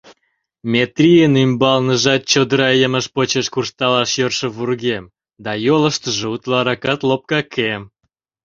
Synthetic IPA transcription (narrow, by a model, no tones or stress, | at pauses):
mʲet̪rʲijənymbɑlnəʒɑt̪̚t͡ɕod̪əɾɑjəməʃpot͡ɕeʃkurst̪ɑlɑʃjørʃĕβurɣem | d̪ɑjoləʃt̪əʒeut̪lɑɾɑkɑt̪lop̚kɑkʰem